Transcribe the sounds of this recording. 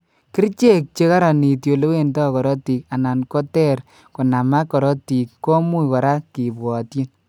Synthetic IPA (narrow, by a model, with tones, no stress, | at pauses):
ki˦rt͡ʃe˦k̚t͡ʃe˦ka˦ɾa˨ni˨tjo˨lo˦we˦ntɔ˦˨kɔ˨ɾɔ˦ti˨k̚a˨na˨nkɔ˦tɛ˦r | kɔ˨na˨ma˦kɔ˨ɾɔ˦ti˨kːɔ˦mu˦kɔ˨ɾa˦ki˨bwɔ˨tji˦n